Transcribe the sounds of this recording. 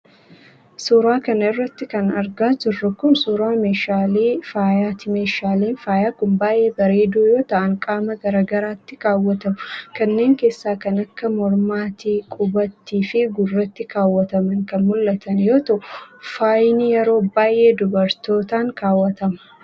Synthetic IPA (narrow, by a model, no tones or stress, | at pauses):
suːɾaːkɐnɐɪrːɐt̪ːɪkɐnɐɾɡaːd͡ʒɪrːɐkʊnsuːɾaːmeːʃaːliːfaːjaːt̪ɪme̞ːʃaːliːnfaːjaːkʊmbaːjʔe̞ːbɐɾe̞ːd̪uːjo̞ːt̪ɐʔɐŋkʼaːmɐɡɐɾaːɡɐɾaːt̪ːɪkaːwːɐt̪ɐmʊkɐnːe̞ːŋke̞ːsːaːkɐnɐkːɐmɔɾmaːt̪iːkʼʊbɐt̪ːiːfɪɡʊrːɐt̪ːɪkaːwːɐt̪ɐmɐŋkɐnmʊlːɐt̪ɐnjo̞ːt̪ɐʔʊfaːjnɪjɛɾo̞ːbaːjʔe̞ːd̪ʊbɐɾt̪o̞ːt̪aːŋkaːwːɐt̪ɐmɐ̥